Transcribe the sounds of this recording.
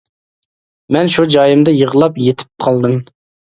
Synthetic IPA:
mɛnʃud͡ʒɑjɪmd̪ɨjəʁlˠɑpjet̪ʰɪ̥p̚qʰɑlˠd̪ɨm

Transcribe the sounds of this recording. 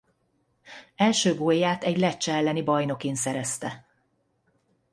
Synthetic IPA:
ɛlʃøːɡoːjːaːt̪ɛɟlɛt͡ʃːɛɛlːɛnibɒjno̞kensɛɾɛst̪ɛ

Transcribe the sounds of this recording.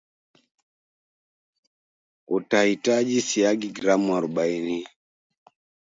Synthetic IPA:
ɔtahitad͡ʒisiaɡiɡɾamɔɾɓainia

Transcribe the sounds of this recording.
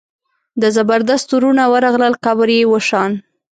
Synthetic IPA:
d̪əzabaɾd̪ast̪uɾunawəɾɑɣləlqabəɾjewəʃɑn

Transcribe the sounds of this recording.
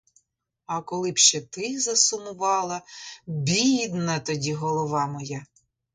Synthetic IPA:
ɐkɔlˠɪpʃt͡ʃɛt̪ɪzɐsʊmʊʋɑlˠɐbʲid̪nɐt̪ɔdʲiɦɔlˠɔʋɑmɔjɛ

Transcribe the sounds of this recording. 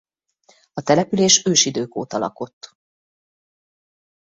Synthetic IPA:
ɒt̪ɛlɛpyleːʃøːʃid̪øːko̰ːt̪ɒlɒ̰ko̞t̪ː

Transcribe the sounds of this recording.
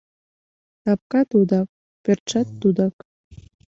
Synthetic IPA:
t̪ɑp̚kɑt̪ud̪ɑk̚ | pørt̪t͡ʃɑt̪ːud̪ɑk

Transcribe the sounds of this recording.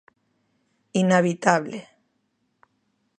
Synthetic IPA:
inaβit̪aβle

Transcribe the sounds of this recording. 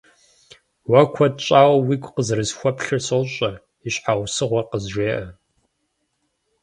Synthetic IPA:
wɐkʷʰɔdt͡ʃʼaːwwiːkʷqəzrɨzxʷɔpʰɬɨrsowɕʼɐ | iɕʼħawsɨʁʷɐqəzʒʷeːʔɐ

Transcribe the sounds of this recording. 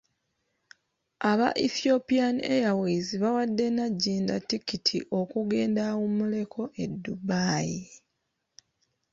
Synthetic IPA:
aβa̰ʔiθjo̞pianiḛjawiːziβawadːe̞naɟːiːndatːikitʰḭʔo̞kuɡe̞ːndawumule̞kʰo̞ʔe̞dːubaːji

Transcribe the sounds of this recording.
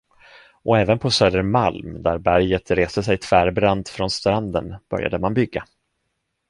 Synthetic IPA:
ʔɔɛːvənpʰɔsøːd̪əɾmalmd̪æɾbæɾjət̪ɾeːst̪əsɛjt̪ʰv̥æːɾbɾand̪fɾɔnst̪ɾand̪ə̰nb̥œ̰ɾja̰d̪əmanbʏɡːa

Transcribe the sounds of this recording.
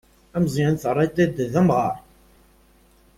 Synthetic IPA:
æmzˤjənθərˤːɑt̪ːæd̪ðæmʁə̰ɾˤ

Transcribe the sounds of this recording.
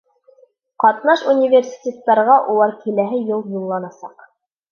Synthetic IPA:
qɑt̪nɑʃunʲivʲersʲi̥tʲet̪ːɑɾʁɑʔulˠɑɾkilæɦɘjɤlˠjulˠːɑnɑsɑq

